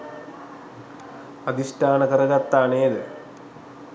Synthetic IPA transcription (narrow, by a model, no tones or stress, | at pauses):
ɐd̪isʈaːnɐkɐrɐɣɐt̪ːaːɳeːðɨ